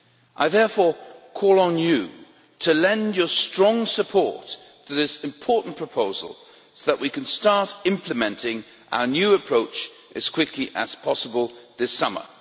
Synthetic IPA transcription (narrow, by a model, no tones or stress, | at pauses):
ʔaɪðɛɹfɔɹkʰɔlˠə̃njɨ | ɾʰɨlɛ̃ndjə˞stɹ̥ɔ̃ŋsɨpʰɔɹtʰ | ɨðɪsɨ̃mpʰɔɹʔn̩pʰɹ̥əpʰoʊzə̰l̩ˠ | soʊðəʔwʔikɨ̃n̩stɑɹɾɪ̃mpʰləmɛ̃ntɪ̃ŋ | ʔa̰ʊə˞njʉɨpʰɹ̥oʊt͡ʃ | ʔɨz̥kʰw̥ɪkʰliʔɨz̥pʰɑsəbəlˠðɪsʌmə̰˞